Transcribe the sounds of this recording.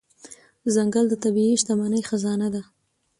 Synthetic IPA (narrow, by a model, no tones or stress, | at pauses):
zaŋɡald̪ət̪abiiʃt̪amanəjxazɑnad̪a